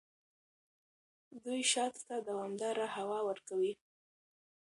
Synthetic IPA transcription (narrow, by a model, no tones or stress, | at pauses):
d̪ujʃɑt̪t̪ad̪awɑmd̪ɑɾahawɑwəɾkawi